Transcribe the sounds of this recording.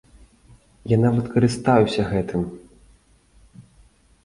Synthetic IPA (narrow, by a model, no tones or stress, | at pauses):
janavɐt̪kɐɾɨst̪ajusʲɐɣɛt̪ɨm